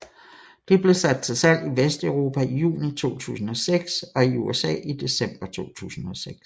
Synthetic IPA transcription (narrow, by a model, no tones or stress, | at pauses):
d̥e̝b̥le̝sæd̥̚t͡sʰe̝lsæl̰d̥iʋesd̥œʊʁo̝ːpʰæijṵːnit͡sʰo̝̰ːt͡sʰṵːsn̩ɒ̽seɡ̥sɒ̽iuesɛ̰ːid̥e̝sem̰b̥ɐt͡sʰo̝̰ːt͡sʰṵːsn̩ɒ̽seɡ̥s